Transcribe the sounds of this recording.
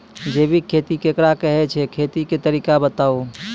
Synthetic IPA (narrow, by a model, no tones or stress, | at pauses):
d͡ʒebʱikʰet̪ikekɾakəɦɛt͡ʃʰɛkʰet̪iket̪əɾikabət̪au